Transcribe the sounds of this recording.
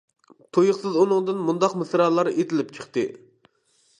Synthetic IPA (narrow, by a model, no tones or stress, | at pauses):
t̪ʰojʊχsɨzunɨŋd̪ɨnmund̪ɑqmɨsɾɑːlˠɑɾet̪ʰɪlɪp̚t͡ʃʰə̥χt̪ɨ